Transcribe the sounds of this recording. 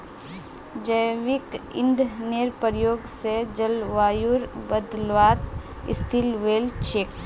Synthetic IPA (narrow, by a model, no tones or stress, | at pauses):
d͡ʒəjʋɪkɪ̰̃nd̪ʱneɾpəɾjoːɡsed͡ʒəlʋaːjuɾbəd̪lʋaːt̪ | ɪ̰st̪ʰɪlʋeːlt͡ʃʰeːk